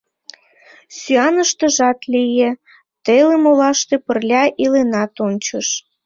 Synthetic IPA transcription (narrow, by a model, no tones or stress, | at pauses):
syɑnəʃt̪ə̆ʒɑt̪lijĕ | t̪elemolɑʃt̪epərlʲɑʔilenɑt̪onʲt͡ɕəʃ